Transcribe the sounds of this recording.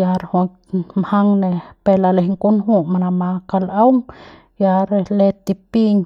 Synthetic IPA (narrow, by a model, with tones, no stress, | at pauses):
ja˧ɾho˧ | mha˦ŋne˧pe˧la˧le˧hŋku˦nɦu˧ma˧na˧ma˧ka˧la˦wŋ | ja˧ɾele˧t̪i˧pi˦ɲ